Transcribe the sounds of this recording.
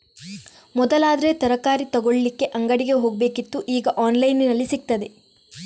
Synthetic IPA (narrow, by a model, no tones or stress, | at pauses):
mɔd̪ɐlaːd̪ɐɾe̞t̪ɐɾɐkaːɾit̪ɐɡoɭɐlikːe̞ʔɐŋɡɐɽiɡe̞ɦo̞ːɡɐbe̞ːkit̪ːuʔiːɡɐʔaːnlɐjninɐlːisik̚t̪ɐd̪e̞